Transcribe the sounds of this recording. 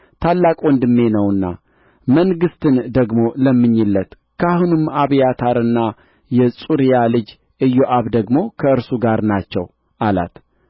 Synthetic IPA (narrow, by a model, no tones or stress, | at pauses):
t̪ʰalːakʼond̪ɨmːe̞nəwɨnːa̰ | məŋɡɨst̪ɨnd̪əɡmo̞ləmːɨɲːɪlːət̪ | kʰahunɨmːaβjat̪ʰaɾɨnːa | jɛsʼuɾijalɨd͡ʒ | ɨjːoʔaβd̪əɡmo̞kʰəɨɾsuɡaɾnat͡ʃːɛ̰w | ʔala̰t̪